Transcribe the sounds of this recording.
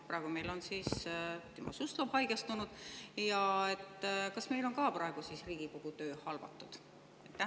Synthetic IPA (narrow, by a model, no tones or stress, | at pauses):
prɑˑeɡ̥ume̞jlo̞nsiːst̪imʔosjust̪lobhɑjɡ̥est̪unud̪̥jɑe̞t̪ːˑkɑsme̞jlo̞ŋkɑːprɑeɡ̥usisriːɡ̥ikoɡ̥ut̪ø̞ːhɑlvɑ̰t̪ːˑud̪̥ | ejt̪ːæ